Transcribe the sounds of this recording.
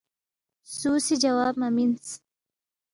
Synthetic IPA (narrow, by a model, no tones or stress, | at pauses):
suːsid͡ʒawaːb̚mamins